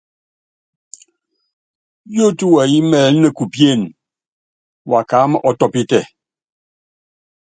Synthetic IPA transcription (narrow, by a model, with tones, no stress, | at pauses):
jo˦tu˦wa˨ji˦mɛː˨lnə˦˨ku˨pje˦˨n | wa˨kaː˨˦mə˨ʔɔ˦tɔ˦pi˦tɛ˦˨